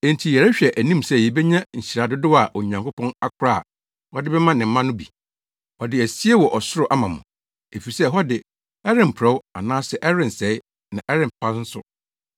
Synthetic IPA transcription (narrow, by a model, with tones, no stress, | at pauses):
ɛ̃˨n˨tʰi˨jɛ˨ɾɛ˦ɕᶣɛ˨ʔæ˨nĩ˦msɛ˦˨je˨bɛ˦ɲã˦ɲ̩˨ɕi˨ɾa˨dʊ˦dʊ˦a˨ʔɔ˨ɲã˨ŋkʊ˦pʰɔ̃˦na˦kʰʊ˦ɾa̰˦˨ | hɔ˦dɪ˦bɛ˦mã˦nɪ̃˨m̩˦mã˦nʊ̃˦bḭ˨ | hɔ˨dɪ˨æ˨si˦e˦wɔ˨ʔɔ˨sʊ˦ɾʊ˨ʔa˦mã˨mʊ̰̃˨ | e˨fi˨sɛ˦ɦɔ˦dɪ˨ | ɛ˦ɾɪ̃˨m̩˨pʰʊ˨ɾɛ˦wa̰˨nãː˦sɛ˦ʔɛ˦ɾɪ̃˨nsɛ˨˦ɪ˦ | nã˨ʔɛ˦ɾɪ̃˨mpʰã˦n̩˦sʊ̰˦